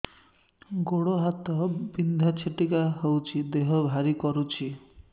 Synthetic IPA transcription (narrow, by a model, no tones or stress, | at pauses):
ɡoɽoɦat̪ɔbind̪ʱat͡ʃʰeʈikaɦewt͡ʃʰid̪eɦɔbʱaɾikɔɾut͡ʃʰi